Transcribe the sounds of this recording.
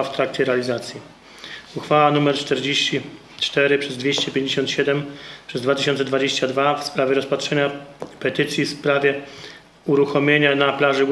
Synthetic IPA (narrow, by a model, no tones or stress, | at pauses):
aft̪ɾakt͡ɕɛɾɛalʲizat̪sʲji | uxfawanumɛɾt͡ʂt̪ɛɾd͡ʑeɕt͡ɕi | t͡ʂt̪ɛɾɘpʂɛzd̪vʲeɕt͡ɕɛpʲjeɲd͡ʑeɕɔnt̪ɕɛd̪ɛmpʂɛzd̪vat̪ɘ̥ʃɕɔ̃nt̪ɛd̪vad͡ʑeɕt͡ɕad̪vafspɾavʲjɛɾɔspat̪ʂɛɲapɛt̪ɘt̪sʲjifspɾavʲjɛ | uɾuxɔmʲjeɲanaplaʐɘɡ